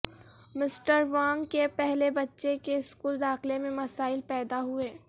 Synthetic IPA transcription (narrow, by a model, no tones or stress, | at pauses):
mɪsʈəɾʋãːŋɡkepɛɦlebɐtːʃekeɪskuːld̪aːxlemẽmɐsaːɪlpɛːd̪aɦueː